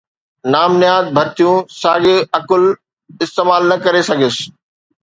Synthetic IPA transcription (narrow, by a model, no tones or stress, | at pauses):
naːmnijaːd̪̚bʱɐɾt̪ijũsaːɡɪɐkʊl | ɪst̪eːmaːlnɐkɐɾesɐɡʱɪsɪ̥̆